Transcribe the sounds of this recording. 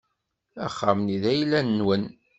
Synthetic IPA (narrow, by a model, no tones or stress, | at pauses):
æ̰χːamniðæjlːænəːwən